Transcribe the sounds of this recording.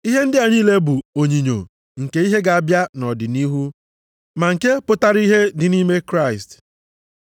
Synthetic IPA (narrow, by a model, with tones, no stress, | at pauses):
i˦ɦe˦n̩˦dɪ˦a˨ɲiː˦le˦bu˨o˨ɲi˨ɲo̰˨ | ŋ̩˨ke˦i˦ɦe˦ɡa˨a˨bja˦nɔ˨dɪ˨ni˦ɦu˦ | ma˨ŋ̩˨ke˦pʊ˦ta˦ɾi˦ɦe˦dɪ˨ni˦me˦kɾa˦˨ɪ˨st